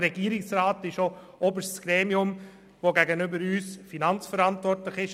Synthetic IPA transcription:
ɾɛɡ̥iːəɾɪksɾɑːtɪʃo | obəʃtsɡ̥ɾeːmiʊm | voɡæɡənʏbəɾyːsfinɑnt͡sfəɾɑntʋɔrtlɪχɪʃ

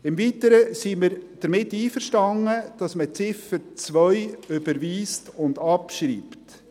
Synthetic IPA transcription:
ɪmviːtəɾəsiməɾd̥əɾmɪtːiːfəɾʃtɑŋəd̥ɑsmət͡sɪfət͡svœʏʏbəɾʋiːstʊndɑpʃɾiːpt

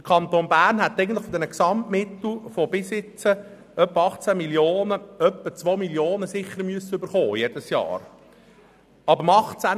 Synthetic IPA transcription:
d̥ə̥kʰɑnt̪oːnbæːɾnɦɛt̪ːɛɪɡən̩tləχfɔdɛnəksɑmtmɪt̪l̩fɔbɪsɪt͡sə | œpːəɑχt͡sæmiljoːnəœpːət͡sʋomiljoːnəsɪχːəɾmyəsəʏbəɾχoːjɛd̥əsjɑ̰ːɾ | ɑbəɾmɑχt͡sæ

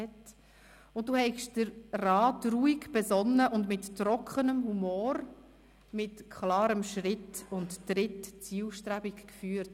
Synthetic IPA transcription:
ɛt | ʊnt̚d̥uːhɛɪkʃd̥əɾːɑːtruːikb̥ɛzɔnːəʔʊndmɪtːɾɔkχənəmhumoːɾ | mɪtkʰχlɑːɾəmʃɾɪtʊntːɾɪtt͡siːlʃtɾæbikkfyːɾt

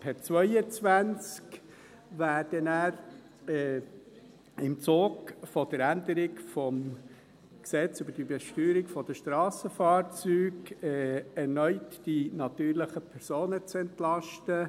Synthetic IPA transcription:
pʰɛt͡svœʏət͡sʋænt͡sk | ʋæːɾd̥ənæːɾ | ɛ | ɪmt͡soːɡfɔd̥əɾændəɾɪkfɔm | ksɛt͡sybəɾd̥əbɛʃtyːɾɪkfɔd̥əʃtɾɑːsəfɑːɾt͡syːɡɛːɛɾnœʏtd̥inɑt̪yːɾləχəpʰɛɾsoːnət͡sɛntlɑʃtə

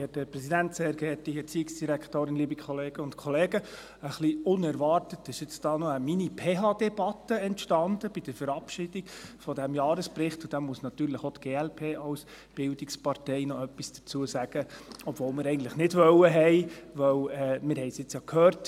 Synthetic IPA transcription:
ɛtdəpɾɛsidæntseːɾɡɛːtiɛt͡siːɪksd̥iɾæktoːɾɪnliːbikʰχɔleːɡ̥əʊntkʰɔleːɡə | əχliʊnɛɾʋɑrtətɪʃɪt͡sd̥ɑːnɔəminipʰeːɦɑd̥ɛb̥ɑt̪ːəɛntʃtɑndəb̥id̥əɾfəɾɑpʃɪd̥iɡ̥fɔdɛmjɑːɾəspɾɪχtʊd̥̪ɛmuəsnɑt̪yːɾləχotɡ̥eːɛlpʰeːɑʊs | b̥ɪld̥ikspɑɾtɛɪnɔœpːisd̥ət͡suəsæɡ̥əɔb̥volmɪɾɛɪɡən̩tləχnɪdʋœwəɦɛɪʋœwɛmɪɾɦɛɪsjɪt͡sjɑkhøːɾt

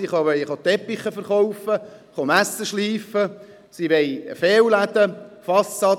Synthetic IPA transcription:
iχɑʋɛjχɑt̪ɛpːiχəfəɾχɔwfəχɑmæsːəʃliːfə | siʋejə̰feːwlæd̪̥əfɑsːɑ

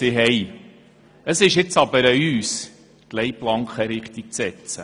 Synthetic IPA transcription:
ɪɦɛj | əsɪʃɪt͡sɑbəɾəyːs | tlɛjplɑŋkχəɾɪχt̪ik̚t͡sɛt͡sə

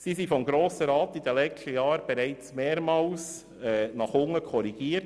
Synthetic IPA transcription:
sisifɔmɡɾoːsəɾɑːtid̥ɛlɛktəjɑːɾb̥ɛɾæɪt͡smeːɾmɑːls | ɛnɑχʊŋəkʰɔɾiɡ̥iːət

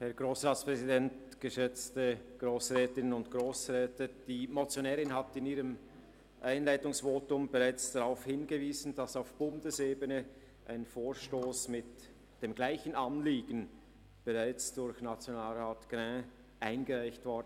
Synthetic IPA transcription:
hɛɐɡ̥ʁoːsʁaːspʁ̥ɛzidɛntɡ̥əʃɛt͡stəɡ̥ʁoːsʁɛːtɪnənʊntɡ̥ʁoːsʁɛːtəd̥iːmot͡sjonɛːʁɪnɦatɪniːʁəm | ʔaɪnlaɪtʊŋsv̥oːtʊmbɛʁaɪt͡sd̥aʁaʊfhɪnɡəviːzn̩dasaʊfb̥ʊndəseːbənə | ʔa̰ɪnənfoːʃtoːsmɪt | d̥eːmɡlaɪçənɑnliːɡən̩ | b̥ɛʁaɪt͡sd̥ʊɾçnat͡sjonaːlʁaːtɡ̥ʁɛ̃ | ʔaɪnɡəʁaɪçtv̥ɔd

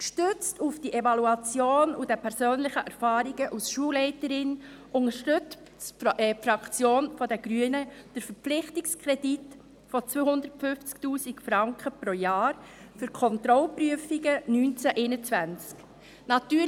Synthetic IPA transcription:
ʃtʏt͡stufd̥iʔevɑluɑt͡sjoːnud̥ɛpʰɛɾsøːnlɪχəʔæɾfɑːɾiɡəʔusʃuəlɛɪtəɾɪn | ʔʊŋəʃtʏt͡s | ɛfɾɑkt͡sjoːnfɔdɛɡ̥ɾyənəd̥əɾfəɾpp͡fflɪχtikskʰɾɛdit | fɔt͡sʋøhʊndətfʏnft͡sktuːsikfɾɑŋkχəpɾojɑːɾ | fʏɾkʰɔnt̪ɾɔlpryəfiɡənynt͡sæʔɛɪnət͡svænt͡sk | nɑtyː

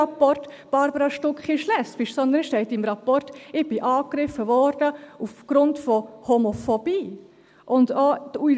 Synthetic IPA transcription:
apɔrtb̥ɑɾbəɾɑʃtʊkχiʃlɛspɪʃsɔnd̪ənʃtɛɪtɪmɾapɔrtɪb̥ɪʔɑːkɾɪfːəvɔɾd̥əufɡ̥ɾʊntfɔhomofob̥iː | ʔʊndoːu

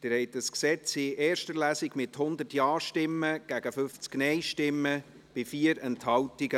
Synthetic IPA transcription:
d̪̥ɪɾhɛɪt̚dəsksɛt͡sɪɛːɾʃtəlæːsɪɡmɪthʊnd̪ərtjɑːʃtɪmːəɡ̥æɡ̥əfʏft͡sknɛɪʃtɪmːə | b̥ɪfiːəɾɛnthɑwtɪɡə

